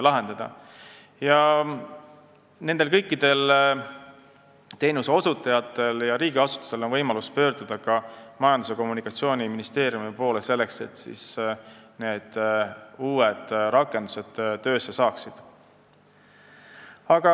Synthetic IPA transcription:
lɑɦe̞nd̪ɑd̪̥ɑ̰ | jɑ | ne̞nd̪e̞lkɤjkˑːid̪̥e̞l | t̪e̞ːnuseo̞sut̪ːˑɑjɑt̪ːˑe̞ljɑɾiːɡiɑsu̥t̪ːu̥seo̞nvɤjmɑluspø̞ːrd̪̥ud̪̥ɑkɑmɑjɑnd̪use̞ko̞mːunikːˑɑt̪sio̞ːnʲiminist̪e̞ːɾjumipo̞ːlese̞lːe̞kse̞̰t̪ːˑsḭs | ne̞ːd̪̥uːed̪̥ɾɑkːˑe̞nd̪̥u̥se̞d̪̥t̪ːø̞ːsːe̞sɑːksid̪̥ | ɑɡ̥ɑ

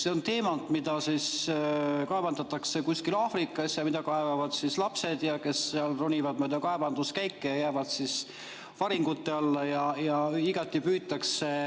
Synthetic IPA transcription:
se̞ont̪e̞ːmɑnt̪mid̪̥ɑsis | kɑebɑnd̪ɑt̪ːˑɑkse̞kusʲkilɑːfrikːˑɑsjɑmid̪̥ɑkɑevɑvɑd̪̥sislɑpse̞d̪̥jɑke̞sːeɑlronʲivɑd̪mojd̪ɑkɑe̞bɑnd̪̥uskæjkːejɑjæːvɑd̪̥sis | vɑɾiŋɡ̥ut̪ːe̞ɑlːɑjɑjɑiɡ̥ɑt̪ːˑipyːt̪ːˑɑkse

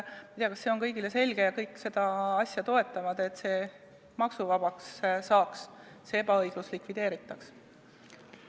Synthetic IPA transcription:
mɑjt̪ejɑkɑsse̞o̞nkɤjɡilese̞lʲɡe̞jɑkɤjkːˑse̞d̪̥ɑɑsʲjɑt̪o̞e̞t̪ːˑɑvɑd̪̥e̞t̪ːse̞ː | mɑksuvɑb̥ɑkssɑːks | see̞bɑɤjɡ̥luslikvid̪̥e̞ːɾit̪ːˑɑks

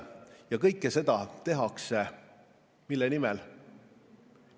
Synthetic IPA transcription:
jɑkɤjkˑːese̞d̪̥ɑt̪e̞ɦɑkse | milːenimɛl

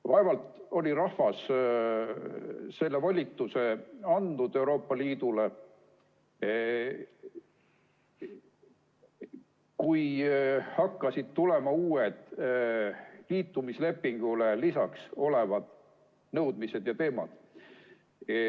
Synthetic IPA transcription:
vɑevɑlt̪o̞lʲiɾɑhvɑs | se̞lːe̞vɑlʲit̪ːˑuse̞ɑnd̪̥ud̪̥e̞wɾo̞ːpːɑliːd̪̥ule̞ | kujhɑkːɑsid̪̥t̪ule̞mɑuːed̪̥ | liːt̪ːumisle̞pːiŋɡ̥ule̞lisɑkso̞le̞vɑd̪̥ | nɤwd̪mise̞d̪̥jɑt̪e̞ːmɑ̰d̪̥

